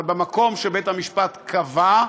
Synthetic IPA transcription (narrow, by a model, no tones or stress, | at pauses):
lbemako̞mʃebet̪hamiʃpat̪kʰava